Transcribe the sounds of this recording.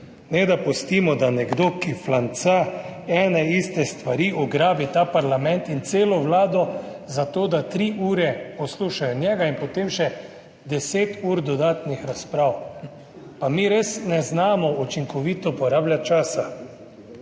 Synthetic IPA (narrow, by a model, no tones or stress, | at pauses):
nɛd̪apɔst̪iːmɔd̪anɛɡd̪oːkiflant̪saɛːnɛist̪ɛst̪ʋaɾiːʔɔɡɾaːbit̪aːpaɾlamɛ̃nt̪int̪seːlɔʋlaːd̪ɔzat̪oːd̪at̪ɾiʔuːɾɛpɔsluːʃajɔnʲjɛːɡainpɔt̪eːmʃɛ | d̪ɛseːt̪uːɾd̪ɔd̪aːt̪nixɾaspɾaːw | pamiɾesnɛznaːmɔut͡ʃiŋkɔʋiːt̪ɔpɔɾaːbljat͡ʃaːsa